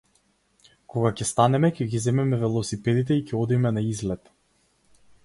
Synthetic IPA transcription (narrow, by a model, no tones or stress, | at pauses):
kɔɡacʲɛst̪anɛmɛcɛɡizɛmɛmɛvɛlˠɔsipɛd̪it̪̬ɛicɛɔd̪imɛnaizlɛt̪